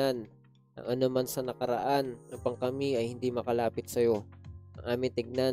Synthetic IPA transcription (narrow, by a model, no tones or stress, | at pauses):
an | ʔɐ̰ŋɐnomansɐnɐkɐɾɐ̰ʔanupɐŋkɐmiɐjhɪnd̪imɐkɐlaːpɪt̪̚sɐjo̞ʔɐŋʔaːmɪŋt̪ɪɡ̚na